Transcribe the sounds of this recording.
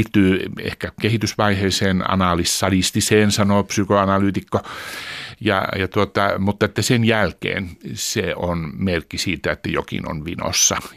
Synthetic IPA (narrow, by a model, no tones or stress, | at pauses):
t̪ːyːḛhkækehit̪ysʋɑiheiseːnɑ̰nɑˑlisːɑlist̪iseːnsɑnopsykoɑnɑlyːt̪ikːo | jɑ̰jɑt̪uot̪ɑmut̪ːɑet̪ːæsenjælkḛːnseonmerkːisiːt̪æet̪ːæjokḭno̰nʋino̰sːɑ